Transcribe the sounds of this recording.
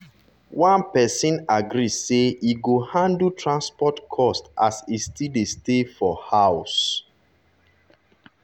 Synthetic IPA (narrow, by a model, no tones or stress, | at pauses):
wãnpɛsĩnaɡɾiseiɡohãndutʰɹãnspɔtkʰɔstʔa̰sistʰidestefɔhaʊs